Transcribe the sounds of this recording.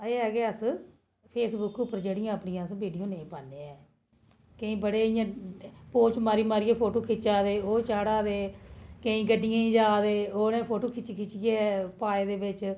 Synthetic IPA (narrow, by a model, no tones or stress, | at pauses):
eːɛːɡeːəs | pʰeːsbʊkʊpːəɾd͡ʒeːɽɪjãːəpɳijãːsʋiːɖijoːnẽĩːpaːneːɛː | kə̃ĩːbəɽeːɪjãːpoːt͡ʃmaːɾiːmaːɾiːɛːpʰoːʈoːkʰɪt͡ʃaːd̪eːoːt͡ʃaːɽaːd̪eːkəĩːɡəɖːɪjãːĩːd͡ʒaːd̪eːoːnẽːpʰoːʈoːkʰɪt͡ʃːkʰɪt͡ʃijeːpaːeːd̪eːbɪt͡ʃ